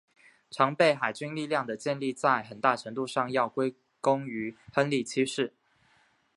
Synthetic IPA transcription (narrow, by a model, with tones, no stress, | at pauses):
ʈ͡ʂʰɑ˧˥ŋpe˥˩ɪxa˨˩ɪt͡ɕy˥nli˥˧ljɑ˥˩ŋd̪ə˩t͡ɕjɛ˥˧nli˥˧t͡sa˥˩ɪxə˨˩nt̪a˥˩ʈ͡ʂʰɤ˧˥ŋt̪u˥˧ʂɑ˥˧ŋjɑ˥˩ʊkwe˥ɪ | kʊ˥ŋy˧˥xə˥nli˥˩t͡ɕʰi˥ʂɻ̩˥˩